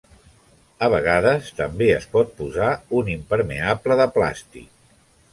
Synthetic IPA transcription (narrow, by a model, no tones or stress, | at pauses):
əβ̞əɣ̞aðəst̪əmbeəspɔt̪̚puzaunimpəɾmḛapləðəpla̰st̪ḭk̚